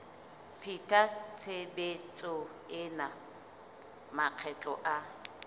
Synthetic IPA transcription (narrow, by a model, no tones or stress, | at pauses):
pʰitʰʼat͡sʰebet͡sʼɔ | ɪna | maq͡χʰɛt͡ɬʼɔʔa